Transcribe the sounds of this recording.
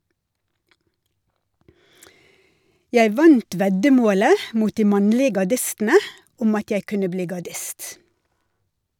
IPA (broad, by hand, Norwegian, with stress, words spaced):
ˈjæɪ ˈʋɑnt ˈʋɛɟəˌmoːlə ˈmuːt ˈdiː ˈmɑɲlɪ ɡɑˈɖɪstn̩ə ˈʊm ˈɑt ˈjæɪ ˈkʉnə ˈbliː ɡɑˈɖɪst